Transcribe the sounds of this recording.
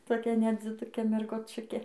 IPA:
toːˈkʲɛ nʲɛd͡zʲɪˈdʊkʲeː mʲɛrɡoːˈt͡ʃʲʊkʲeː

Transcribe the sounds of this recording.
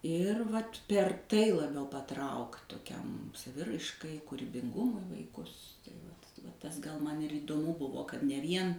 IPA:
ˈɪr ʋɐt pʲɛr ˈtɐɪ lˠɐˈbʲɛʊ pɐˈtrɐʊkt toːˈkʲɛm sɐˈʋʲɪrɐɪʃkɐɪ kuːrʲɪbʲɪŋˈɡʊmʊɪ ʋɐɪˈkʊs tɐɪ ˈʋɐt ʋɐ ˈtɐs ɡɐlˠ ˈmɐn iːdoːˈmʊ ˈbʊʋoː kɐt nʲɛ ˈʋʲiɛn

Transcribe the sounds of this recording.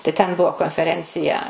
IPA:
tɐɪ tʲɛn ˈbʊʋoː koːnʲfʲɛˈrʲɛnʲt͡sʲɪjɛ

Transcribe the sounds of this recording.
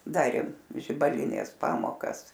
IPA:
ˈdɑːrʲeːm ʒʲɪbɐˈlʲɪnʲeːs ˈpɑːmoːkɐs

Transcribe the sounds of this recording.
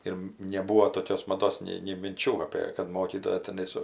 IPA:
ɪr nʲɛˈbuːʋoː toːˈkʲoːs mɐˈdoːs nʲɛɪ nʲɛɪ mʲɪnʲˈt͡ʃʲuː ˈɑːpʲeː kɐt ˈmoːkʲiːtoːjɛ tʲɛˈnɐɪ sʊ

